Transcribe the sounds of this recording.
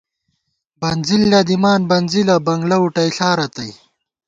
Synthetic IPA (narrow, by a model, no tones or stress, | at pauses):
bɐnzilːɐd̪imaːnbɐnzilɐbɐŋɡlɐuʈɐjɬaːɾɐt̪ɐj